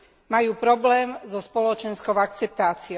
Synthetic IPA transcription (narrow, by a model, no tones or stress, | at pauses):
majuːpɾɔblɛːmzɔspɔlɔt͡ʃɛnskɔʊak̚t͡sɛp̚t̪aːt͡siɔ